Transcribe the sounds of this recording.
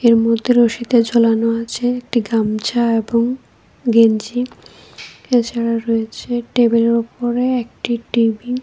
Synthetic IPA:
eɾmod̪ʱːeɾoʃit̪ed͡ʑolanoat͡ɕʰeek̚ʈiɡamt͡ɕaeboŋ | ɡeɲd͡ʑi | et͡ɕʰaɽaɾoet͡ɕʰeʈebeleɾupoɾeek̚ʈiʈibi

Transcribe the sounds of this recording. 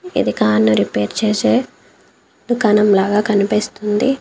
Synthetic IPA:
ḭd̪ikaːnnuɾipeːɾt͡ʃeːse | d̪ukaːnɐmlaːɡaːkɐnipiːst̪und̪i

